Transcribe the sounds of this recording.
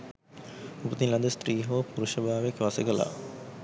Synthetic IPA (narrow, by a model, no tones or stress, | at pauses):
upət̪inlɐnd̪əsʈ̪ɾiːɦoːpuɾuʃəbʱaːʋekʋasəɡəla̰ː